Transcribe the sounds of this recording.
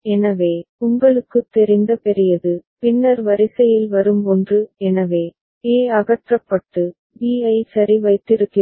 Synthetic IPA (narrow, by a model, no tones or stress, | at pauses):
ɛnɐʋeːʊŋɡɐɭɯkːɯt̪ːɛɾɪnd̪ɐpɛɾɪjɐðɯpɪnːɐɾʋɐɾɪsɐjɪlʋɐɾɯmɔndrɯɛnɐʋeː | eːɐɣɐʈrɐpːɐʈːɯ | ʋiːɐɪsɐɾiʋɐɪt̪ːɪɾɯkːɪ